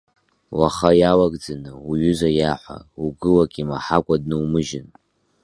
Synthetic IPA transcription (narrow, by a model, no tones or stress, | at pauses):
waχajawaɡd͡zanɨuɥʏzajaħʷa̰uɡɨlakʼimaħakʷʼadnɨwmɨʒɪn